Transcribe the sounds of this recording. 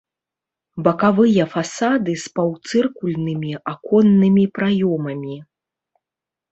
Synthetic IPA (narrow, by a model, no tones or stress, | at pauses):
bɐkavɨjɐfasad̪ɨspawt̪sɨrkulʲnɨmʲiʔakɔnːɨmʲipɾajɔmɐmʲi